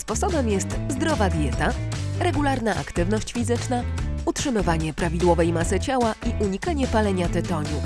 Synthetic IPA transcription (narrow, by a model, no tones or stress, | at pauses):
spɔsɔbɛmjɛst̪zd̪ɾɔvad̪ʲjɛt̪aɾɛɡulaɾnaʔa̰kt̪ɘvnɔɕt͡ɕfʲizɘt͡ʂnautʂɘmɘvaɲɛpɾavʲid̪wɔvɛjmasɘt͡ɕawaʔiʔuɲikaɲɛpalɛɲat̪ɛt̪ɔɲu